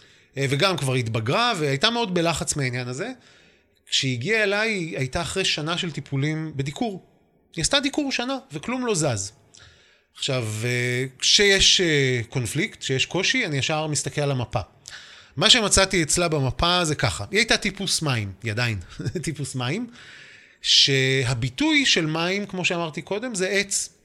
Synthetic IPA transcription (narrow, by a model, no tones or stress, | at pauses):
veɡamkvaʁitbaɡʁaveajtameo̞dbe̞laχat͡smeainjanaze̞ | kʃeiɡiaelajajtaːχʁejʃanaʃe̞lt̪ipʰulimbe̞dikuʁ | iast̪ad̪ikuʁʃanave̞klumlo̞zaz | aχʃavekʃejeʃeko̞nfliktʃejeʃko̞ʃianiaʃaʁmist̪akelalamapa̰ | maʃe̞mat͡satiet͡slabemapaze̞kaχa̰iajtatipusmaimiadajntipusmaim | ʃe̞ɦabitujʃe̞lmaimkmo̞ʃeamaʁt̪iko̞d̪e̞mzeʔet͡s